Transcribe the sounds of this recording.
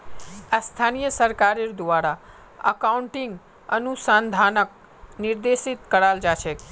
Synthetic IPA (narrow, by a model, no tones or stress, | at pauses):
ast̪ʰanijəsəɾkaɾiɾd̪uʋaɾa | ə̰kauɳʈiŋɡ | ənusand̪ʱanək̚ | niɾd̪eʃit̪kəɾald͡ʒat͡ʃʰe